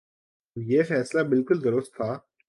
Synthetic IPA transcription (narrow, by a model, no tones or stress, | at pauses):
jeːfɛːslabɪlkʊld̪ɐɾost̪ʰaː